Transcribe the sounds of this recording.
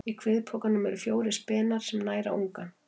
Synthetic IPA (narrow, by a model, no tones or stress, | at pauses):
ikʰv̥ɪːðpʰɔkanːʏmɛɾʏfjoːwɾɪspɛːnaɾ̥sɛmnaːjɾa̰ʔuŋka